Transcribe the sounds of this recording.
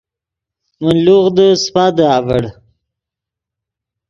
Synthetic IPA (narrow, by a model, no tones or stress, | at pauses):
mənluɣd̪əspad̪əavəɽ